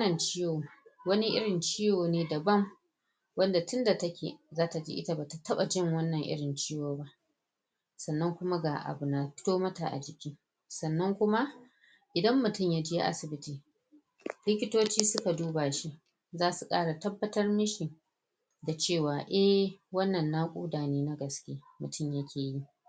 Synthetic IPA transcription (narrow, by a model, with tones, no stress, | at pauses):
nɐ˨nt͡ʃiː˦joː˨wɐ˦ni˦ʔɪ̰˦ɽɪ˨nt͡ʃiː˦joː˨neː˦dɐ˨bɐ˦ŋ | wɐ˦nda˨tʊ˦nda˨tɐ˦kʲḛ˨zaː˦ta˨d͡ʒḭː˦ʔɪ˦ta˦ba˨ta˨tɐ˦ɓa˨d͡ʒɪ˦˨ŋwɐ˦nːɐ˨ŋʔɪ̰˦ɽɪ˨nt͡ʃiː˦joː˨ba˦ʔ | sɐ˨nːɐ˦ŋkʷʊ˦ma˦ɡaː˨ʔa̰˨bu˨na˨ɸɪ̥˦toː˦mɐ˦ta̰˨ʔa̰˨d͡ʒɪ˨kʲiː˦ | sɐ˨nːɐ˦ŋkʷʊ˦ma˦ʔ | ʔɪ˨dɐ˦mːʊ˨tʊ˦˨mjaː˦d͡ʒɪ˦ja̰˦ʔa̰˦sɪ˨bɪ˦tiː˨ | lɪ˦kʲɪ˦toː˦t͡ʃiː˦sʊ˦ka˨duː˦baː˨ʃi˦ʔ | zaː˦su˨kʼa̰ː˦ɽa˨tɐ˦bːɐ˦tɐ˦rmɪ˦ʃi˨ | da˨t͡ʃeː˦˨waː˨ʔɛ˦wɐ˦nːɐ˨nːaː˦kʷʼṵː˦daː˨neː˦na˦ɡɐ˨skʲeː˦mʊ˨tʊ˦˨mja˦kʲʰeː˨ji˦